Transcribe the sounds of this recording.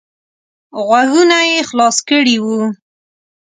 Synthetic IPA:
ɣwaɣunajexlɑskəɽiwu

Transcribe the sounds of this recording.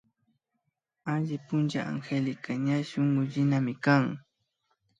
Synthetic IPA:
aʎɪpʊnt͡ʃaʔa̰ŋxelɪkaɲaʃoŋɢʊʎɪnamɪkaŋ

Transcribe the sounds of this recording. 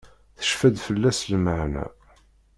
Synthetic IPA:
θə̥ʃfæd̪fəlːæslməʕnæ̰

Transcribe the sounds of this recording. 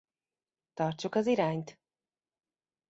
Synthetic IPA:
t̪ɒrt͡ʃukɒziɾaːɲt̪

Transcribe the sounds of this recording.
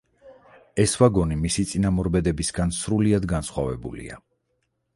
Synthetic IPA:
ɛsvaɡɔnimisit̪sʼinamɔɾbɛd̪ɛbisɡansɾuliad̪ɡansχwa̰vɛ̰bṵlḭa̰

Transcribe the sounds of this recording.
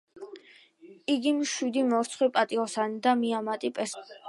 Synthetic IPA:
iɡimʃwid̪imɔɾt̪sʰχwipʼat̪ʼiɔsanid̪amiamat̪ʼipʼɛs

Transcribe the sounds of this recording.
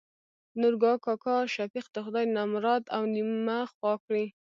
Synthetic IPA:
nʊɾɡɑkɑkɑʃafiqd̪əxʊd̪ɑjnamɾɑt̪awnimaxwɑkɽi

